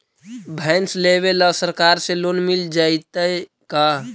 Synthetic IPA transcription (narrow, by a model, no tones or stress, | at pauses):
bʱɛːnslebelasəɾkaːɾseloːnmɪld͡ʒait̪əe | ka